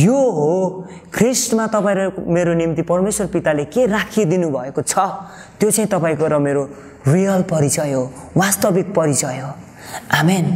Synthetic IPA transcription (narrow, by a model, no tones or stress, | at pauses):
joɦo | kʰrisʈmat̪ʌpaĩɾemeɾonimt̪ipʌrmeswʌrpit̪alekerakʰid̪inubʱʌekot͡sʰʌ | t̪jot͡sãĩt̪ʌpaĩkoɾʌmeɾo | rijʌlpʌɾit͡sʌjɦowast̪ʌbik̚pʌɾit͡sʌjɦo | amen